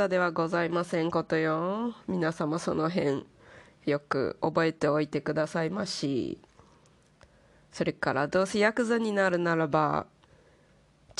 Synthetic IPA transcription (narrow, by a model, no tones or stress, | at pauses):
ad̪e̞β̞aɡo̞zaimasẽ̞ŋko̞t̪o̞jomʲinasamaso̞no̞ɦẽ̞ɴ | jo̞kɯ̟̰obo̞e̞t̪e̞o̞it̪e̞kɯ̟d̪asaimaɕḭ | so̞ɾe̞kaɾa̰d̪o̞ːse̞jakɯ̟zaɲ̟inaɾɯ̟naɾaba̰